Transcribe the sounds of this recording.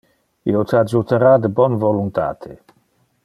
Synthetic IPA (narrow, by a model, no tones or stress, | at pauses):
iot̪ad͡ʒut̪eɾad̪əbɔnvolunt̪a̰ːt̪ʰe